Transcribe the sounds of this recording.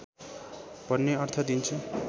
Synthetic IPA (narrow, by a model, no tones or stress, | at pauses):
b̥ʌnːeʌrt̪ʰʌd̪int͡sʰu